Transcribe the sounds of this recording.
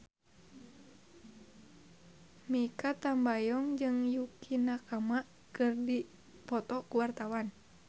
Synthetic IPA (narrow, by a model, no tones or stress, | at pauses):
mikat̪ambajɔŋd͡ʒɨŋjukinakamaʔ | kɨrdi | pɔt̪ɔkuwart̪awan